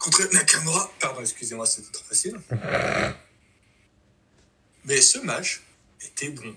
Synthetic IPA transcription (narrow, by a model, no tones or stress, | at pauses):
kɔ̃t̪χɛnakaʁnoʁat̪aʁd̪ɔ̃ɛkskʲyzemwasɛt̪o̥t̪χɔ̥fasil | mɛsəmat͡ʃ | et̪ʰɛbɔ̃